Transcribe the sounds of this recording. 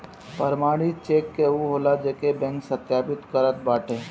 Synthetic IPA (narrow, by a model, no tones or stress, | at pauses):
pəɾmaːɽit͡ʃeːkːeuɦoːlad͡ʒekebɛ̃ŋksət̪jaːpɪt̪kəɾət̪̚baːʈʰeː